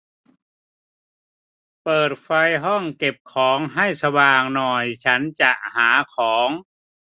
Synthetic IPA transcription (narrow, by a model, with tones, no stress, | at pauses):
pɤː˨˩t̪̚fa˧jɦɔ˥˩ŋke˨˩p̚kʰɔː˩˦ŋɦa˥˩jsa˧waː˨˩ŋnɔ˨˩jt͡ɕʰa˦˥nt͡ɕa˨˩ʔhaː˩˦kʰɔː˩˦ŋ